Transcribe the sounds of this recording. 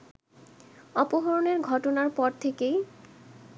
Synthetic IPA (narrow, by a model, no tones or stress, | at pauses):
ɔpoɦoɾoneɾɡʱɔʈonaɾpɔɾt̪ʰekej